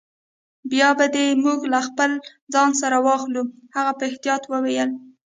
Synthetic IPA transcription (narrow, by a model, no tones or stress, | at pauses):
bjɑbad̪emuɡlaxpəl | zɑnsaɾawɑxluhaɣapəɪht̪ijɑt̪wəwejəl